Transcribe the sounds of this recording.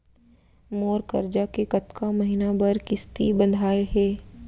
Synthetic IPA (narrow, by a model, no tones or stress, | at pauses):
moːɾkɐ̰ɾd͡ʒakekɐt̪kamɐɦinabɐɾkɪst̪ḭbɐ̃nd̪ʱaːeɦɛː